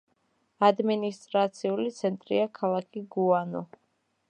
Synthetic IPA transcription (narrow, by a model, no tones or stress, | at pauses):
ad̪minist̪ʼɾat̪sʰiulit̪sʰɛnt̪ʼɾḭakʰalˠakʰiɡuanɔ